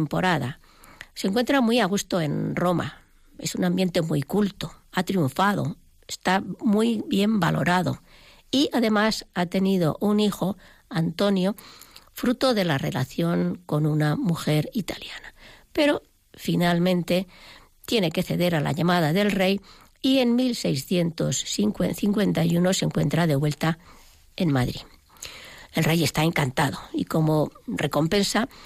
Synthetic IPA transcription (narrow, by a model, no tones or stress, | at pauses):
mpo̞ɾaða̰ | seŋkwe̞nt̪ɾamwiaɣ̞ust̪oe̞nro̞ma̰ | e̞sunãmbje̞nt̪e̞mṵjkult̪o̞at̪ɾiuɱfaðo̞̰ | est̪amujβje̞mbalo̞̰ɾaðo̞̰ | iaðe̞masat̪e̞niðo̞̰ʔunixo̞ | ant̪o̞njo̞fɾut̪o̞ðe̞lare̞la̰θjo̞ŋko̞nunamuxe̞ɾit̪aljanape̞ɾo̞ | finalmẽ̞nt̪e̞ | t̪je̞ne̞ke̞θe̞ðe̞ɾala̰ʎamað̞aðe̞lre̞j | ie̞nmilse̞jsθje̞nt̪o̞siŋkweθiŋkwe̞nt̪ajuno̞se̞ŋkwe̞nt̪ɾaðeβwe̞lt̪a | enmaðɾḭ | e̞lre̞je̞st̪ae̞ŋkant̪að̞oiko̞mo̞re̞ko̞mpẽ̞nsa